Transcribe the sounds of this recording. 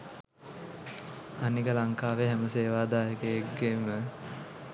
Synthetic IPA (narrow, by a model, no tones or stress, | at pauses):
anikəlaŋkaːʋeɦæməseːʋaːd̪aːjəkejeɡɡemə